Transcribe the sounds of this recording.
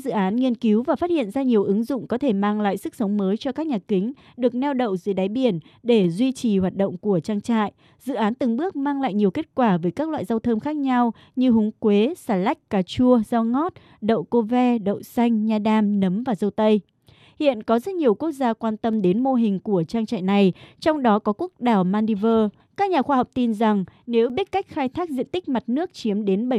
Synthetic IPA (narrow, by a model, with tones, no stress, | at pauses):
zɨ̰˧˨ʔaː˨˦nŋi˧ənki˨˦wvaː˨˩faː˦˥t̚hḭ˧˨ə˨nzaː˧ɲi˨˩əwʔɨ˨˦ŋzʊ̰˧˨ŋ͡mkɔ˨˦t̪ʰe˧˩maː˧ŋla̰ː˧˨jsɨ˦˥k̚sə˨˦wŋ͡mməː˨˦jt͡ɕɔ˧kaː˦˥k̚ɲaː˨˩kï˨˦ŋ̟ | ɗɨ˨˩ək̚nɛ˧wɗə̰˧˨wzə˨˦jɗaː˨˦jɓi˧˩ənɗe˧˩zwi˧t͡ɕi˨˩hwaː˨˩t̚ɗə̰˧˨wŋ͡mku˧˩ət͡ɕaː˧ŋt͡ɕa̰ː˧˨jʔ | z̥ɨ̰˧˨ʔaː˨˦nt̪ɨ˨˩ŋɓɨ˦˥ək̚maː˧ŋla̰ː˧˨jɲi˨˩əwke˦˥t̚kwaː˧˩vəː˨˦jkaː˦˥k̚lwa̰ː˧˨jza˧wt̪ʰə˧mxaː˦˥k̚ɲa˧w | ɲɨ˧ɦʊ˨˦ŋ͡mkwe˨˦saː˧˩la˦˥jk̟̚kaː˨˩t͡ɕu˧əzaː˧wŋɔ˦˥t̚ | ɗə̰˧˨wko˧vɛ˧ɗə̰˧˨wsa˧jŋ̟ɲaː˧ɗaː˧mnə˨˦mvaː˨˩zə˧wt̪ə˧j | hḭ˧˨ənkɔ˨˦zə˦˥t̚ɲi˨˩əwku˦˥ək̚zaː˧kwaː˧nt̪ə˧mɗe˨˦nmo˧ɦï˨˩ŋ̟ku˧˩ət͡ɕaː˧ŋt͡ɕa̰ː˧˨jna˨˩jt͡ɕɔ˧wŋ͡mɗɔ˨˦kɔ˨˦ku˦˥ək̚ɗaː˨˩wmaː˧ni˧vəː˧ | kaː˦˥k̚ɲaː˨˩xwaː˧hə˨˩k͡p̚t̪i˧nza˨˩ŋne˨˦wɓi˦˥t̚ka˦˥jk̟̚xaː˧jt̪ʰaː˦˥k̚zḭ˧˨ənt̪ï˦˥k̟̚ma˨˩t̚nɨ˦˥ək̚t͡ɕi˨˦əmɗe˨˦nɓə˧˩